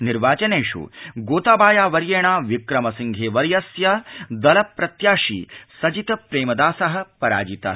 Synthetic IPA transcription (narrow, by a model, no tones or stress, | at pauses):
niɾʋaːt͡ʃɐneːʂṵɡoːt̪aːbaːjaːʋɐɾjeːɳaːʋikɾɐmɐsiŋɡʱeːʋɐɾjɐsjɐd̪ɐlɐpːɾɐt̪jaːʂḭːsɐd͡ʒit̪ɐpɾeːmɐd̪aːsɐɦɐ̆pɐɾa̰ːd͡ʒit̪ɐ̰